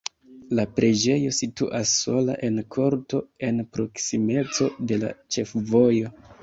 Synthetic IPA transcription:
lapɾʔe̞d͡ʒe̞jo̞sitṵʔasːo̞la̰ʔe̞nkʰo̞ɾto̞e̞npɾo̞ksime̞t͡so̞de̞la̰t͡ʃe̞fvo̞jo̞

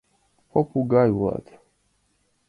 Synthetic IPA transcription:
pɔpuɡajwa̰t̪

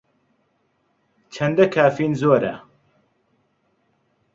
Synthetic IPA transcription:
t͡ʃʰɐnd̪ɐkʰaːfiːnzoːɾɐ̰

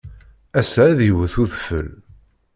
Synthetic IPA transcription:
æsææðiwəθuðfə̰l

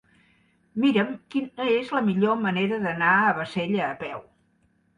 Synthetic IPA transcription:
miɾəmkinəezləmiʎoməneɾəðənaəβəseʎəːpɛw

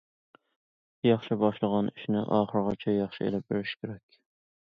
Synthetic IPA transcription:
jɑχʃɪbɑʃlˠəʁɑniʃnɪʔɑːχəɾʁɑt͡ʃʰɛjɑχʃɪḛlɪp̚beɾɪʃkʲʰeɾɛkʲ

